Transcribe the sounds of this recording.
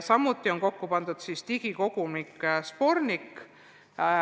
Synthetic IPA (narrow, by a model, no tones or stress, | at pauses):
sɑmːut̪ːˑio̞nko̞kːupɑnd̪̥ud̪̥sist̪iɡ̥iko̞ɡ̥umikːspo̞rnik